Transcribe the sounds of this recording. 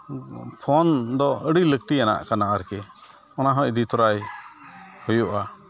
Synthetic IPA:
pʰɔnd̪ɔəɽilək̚t̪iana̰ʔkanaʔaɾkɛ | ɔnaɦɔ̃ʔd̪it̪ɔɾaj | hujuʔa

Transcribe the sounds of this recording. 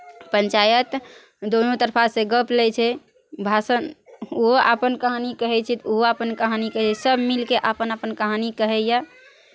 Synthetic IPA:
pənt͡ʃajət̪ | d̪onot̪əɾpʰasẽɡəplɛt͡ʃʰɛ | bʱasənoɦoʔapənkəɦanikəɦɛt͡ʃʰɛt̪oɦoapənkəɦanikəɦt͡ʃʰɛsəbmilkeʔapənapənkəɦanikəɦɛja

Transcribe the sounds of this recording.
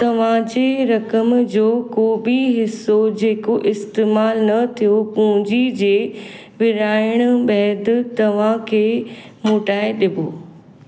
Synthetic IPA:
t̪ɐʋ̤ãd͡ʑeːɾɐkəmd͡ʑoːkoːbiɦɪsːod͡ʑeːkoʔɪst̪eːmaːlnɐt̪ʰijopʊ̃ɦʊ̃d͡ʑid͡ʑeː | ʋɪɾaːɪɽ̃ʊ̆ɓɛɦd̪̆t̪ɐʋ̤ãkʰeː | moːʈaːɪɗɪboː

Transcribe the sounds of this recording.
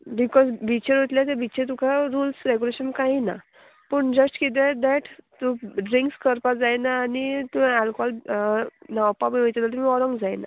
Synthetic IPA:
bikɔzbit͡ɕəɾɦot̪ljat̪̬ebit͡ɕet̪ukʰaɾuːlsɾeɡuleɕənkaɦina̰ | pəɳd͡ʑəsʈkit̪̬ɛd̪ɛʈt̪uɖɾĩŋkskəɾpad͡zajnaːnit̪ualkɔɔl | nawpabiʋəjt̪at̪alt̪umiɔɾəŋɡd͡zajna̰

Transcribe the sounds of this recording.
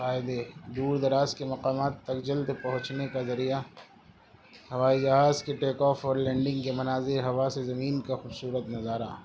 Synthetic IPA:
aːɪd̪ed̪uːɾd̪ɐɾaːskemɐqaːmaːt̪ːɐkd͡ʒɐld̪pɐɦʊ̃t͡ʃnekazɐɾija | hɐʋaːid͡ʒɐɦaːzkeʈeːkɔːfɔːɾlɛ̃ːɳɖɪ̃ŋɡkemɐnaːzɪɾɦɐʋasezɐmiːnkaxuːbsuːɾət̪nɐzaːɾa̰

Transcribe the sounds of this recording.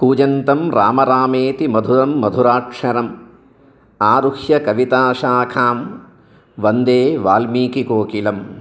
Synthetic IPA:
kuːd͡ʒɐnt̪ɐmɾa̰ːmɐɾaːmeːt̪imɐd̪ʱuɾɐmːɐd̪ʱuɾaːkʂɐɾɐm | aːɾuhjɐkɐʋit̪aːʃaːkʰaːm | ʋɐnd̪eːʋaːlmiːkikoːkilɐm

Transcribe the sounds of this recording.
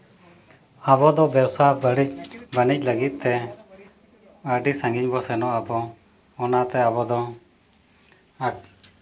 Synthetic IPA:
abɔd̪ɔbjəwsabəɽic̚bənɪc̚ˀləɡɪt̪̚t̪ɛ | əɖisə̃ŋɡɪɲbɔsɛnɔəbɔ | ɔnat̪ɛabɔd̪ɔ | ə

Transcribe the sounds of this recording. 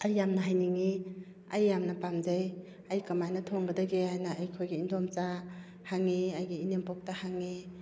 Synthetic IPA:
ɐjːamnɐɦajniŋi | ɐjːamnɐpamzej | ɐjkɐmajnɐtʰoŋɡɐdɐɡehajnɐːjkʰojɡiindɔmt͡ʃa | haŋːiɐjɡiinempɔk̚tahaŋːi

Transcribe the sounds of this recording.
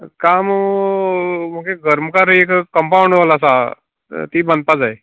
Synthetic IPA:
kam | m̤əkeɡʱəɾməkaɾekkəmpawɳɖʋalasa | t̪iːbənd̪̚pad͡zaj

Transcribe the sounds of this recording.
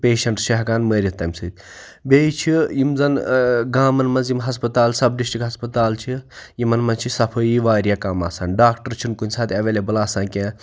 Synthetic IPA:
peːʃɐɳʈʃɐɦɡaːnməːɾʲit̪ɐmsɨt̪̚ʲbʲeit͡ʃʰijimzɐnɡaːmɐnmɐnzimɦɐspɐt̪aːlsɐbɖisʈikɦɐspɐt̪aːlt͡ʃʰijimɐnmɐnzt͡ʃʰisɐpʰɐjiʋaːɾʲjaːkaːmaːsaːnɖaːkʈɐɾt͡ʃʰinkunʲsaːt̪ʰʲɐʋelebɐlaːsãːkẽː

